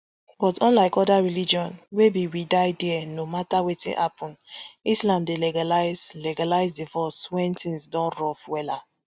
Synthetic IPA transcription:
b̥ɔtɔ̃nlaɪkɔdaɹilid͡ʒiɔ̃nwebiwidaɪdɛɛnomatawetḭ̃nhapɔ̃nislãnddelɛɡalaɪzlɛɡalaɪzdivɔswɛ̃ntĩŋsdɔ̃nɹɔfwɛla

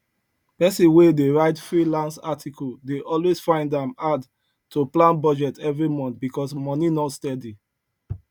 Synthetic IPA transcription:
pɛsĩwedeɹaɪtfɹilãnsatʰikʰɔldeʔɔlwesfãɪ̃ndãmad | tʰuplãnbɔd͡ʒɛtʰɛvɹimɔ̃nθbikɔsmɔninɔtstɛdi

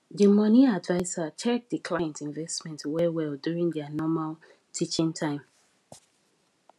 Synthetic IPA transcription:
dimʌniadvaɪsat͡ʃʰɛk̚dəkʰl̥ajɛ̃ntĩnvɛstmɛ̃ntwɛwɛldjuɹĩŋdɛanɔmalˠ | tʰit͡ʃĩŋtʰãɪ̃m

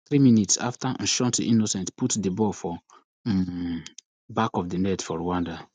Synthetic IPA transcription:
θɾiminitsa̰ftan̩ʃɔntiʔinosɛ̃ntputdibɔfɔ | bakɔfdinɛtfɔɾowãnda

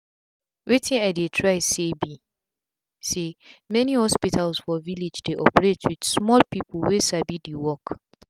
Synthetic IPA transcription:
wetʰĩnaɪdetʰɹaɪsebi | semɛnihɔspitʰalsfɔviled͡ʒdeʔɔ̰pɹetwid̥smɔlpipʰl̩wesabidiwɔk

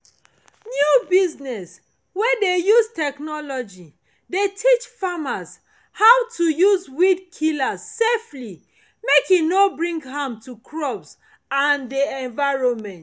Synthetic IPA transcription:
njubiznɛs | wɛdejuztɛknɔlɔd͡ʒi | detʰit͡ʃfamas | hawtʰujuzwid̚kʰilassefli | mekinobɹĩŋɡɦãmtukʰɹɔbs | ãndeɛ̃nvaɹõmɛ̃nt

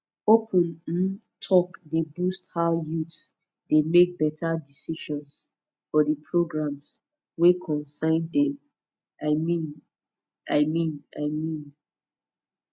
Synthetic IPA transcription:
opʰə̃n̩ | tʰɔkdebusthajut | demek̚bɛtʰadisiʃɔ̃ns | fɔdəpʰɹoɡɹãms | wekʰɔ̃nsãɪ̃ndɛ̃m | ʔaɪmĩn | ʔaɪmĩnaɪmĩn

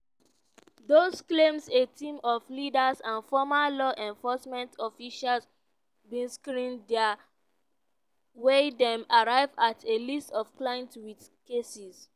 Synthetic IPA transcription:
dosklẽmsetʰĩmɔflidasãnfɔmalɔʔɛ̃ɱfɔsmɛ̃ntʰɔfiʃals | bĩnskɾĩnda | wedɛ̃maɹaɪvatʰelistɔfklãɪ̃ntwiθ | kesis

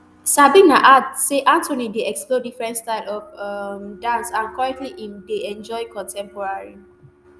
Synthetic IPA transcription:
sabĩnaʔaseʔãntʰõnideɛksplodifɹɛ̃ntstaɪlɔfʌmdãnsãnkwaɹɛktliʔĩmdeɛ̃nd͡ʒɔɪkʰɔ̃ntʰɛ̃mpɔɹaɹi

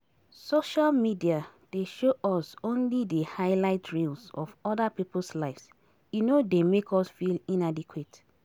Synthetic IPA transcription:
soʃalmidiad̥eʃoʔɔsõnlidəhaɪlaɪtʰɹilsɔ̰fɔdapipol̩slaɪfs | junodemekʰɔsfilĩnadikʰwet

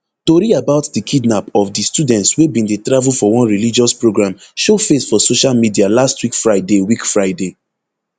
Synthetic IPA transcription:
toɾiabaʊtdikʰidnapɔfdistudɛ̃ntswebĩndetɹavulfɔwɔ̃nɹilid͡ʒɔspɹoɡɹãmʃofesfɔsoʃalmidialastwikfɹaɪdewikfɹaɪde

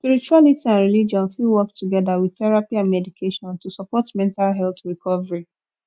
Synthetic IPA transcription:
spiɹit͡ʃualitiãnɹilid͡ʒɔ̃nfilwɔktʰuɡɛðawidθɛɹapiãnmɛdikʰeʃɔ̃ntusɔpɔtmɛ̃ntalɦɛlθɹikʰɔvəɹi

